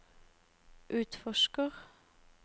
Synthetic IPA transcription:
ʔʉːt̪fɔʃkəʁ

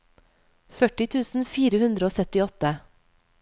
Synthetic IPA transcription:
fœʈɪt̪ʰʉːsn̩fiːɾəhʉnd̪ɾəoːsœt̪ɪɔt̪ə

